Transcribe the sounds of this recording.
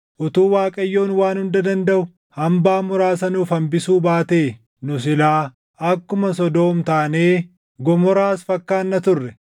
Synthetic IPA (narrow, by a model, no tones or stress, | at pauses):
ʔʊt̪uːwaːkʼɐjːo̞ːnwaːnhʊnd̪ɐd̪ɐnd̪ɐʔʊ | hɐmbaːmʊɾaːsɐnʊfɐmbɪsuːbaːt̪eː | nʊsɪlaː | ɐkːʊmɐs̬ɔd̪o̞ːmt̪aːneː | ɡɔmɔɾaːsfɐkːaːnːɐt̪ʊrːɛ